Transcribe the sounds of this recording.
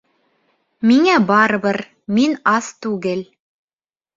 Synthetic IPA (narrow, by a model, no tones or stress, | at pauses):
miŋæbɑɾɤ̆βɤɾ | minɑst̪ʉɡɘl